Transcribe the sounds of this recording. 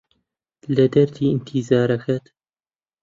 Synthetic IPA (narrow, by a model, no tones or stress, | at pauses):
lɐd̪ɐɾd̪iːɨnt̪ʰizaːɾɐxʰɐt̪